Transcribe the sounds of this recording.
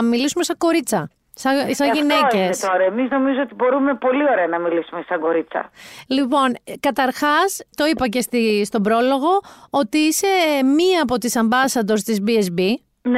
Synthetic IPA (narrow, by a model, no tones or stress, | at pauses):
milisumesɐɡo̞ɾit͡sɐ | sɐsɐʝineceset̪oɾɐemizno̞mizo̞ot̪ibo̞ɾume̞po̞lio̞ɾe̞ɐnɐmilisumest̪ɐɡo̞ɾit͡sɐ̰lipo̞nkɐt̪ɐɾxɐst̪o̞ipɐce̞st̪ist̪o̞bɾo̞lo̞ɣo̞ot̪iise̞miɐːpo̞t̪isɐmbɐsɐnd̪o̞st̪izbiezbi | n